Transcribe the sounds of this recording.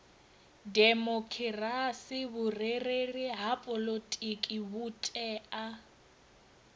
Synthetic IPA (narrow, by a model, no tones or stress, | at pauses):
dɛmokʰirasɪbʊrereriɦapʼɔlotʼikʼibutʼɛa